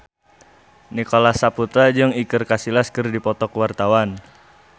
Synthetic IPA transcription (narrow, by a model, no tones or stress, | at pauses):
nikolasaput̪ad͡ʒɨŋikɨrkasilaskɨrdipɔt̪ɔkwart̪awan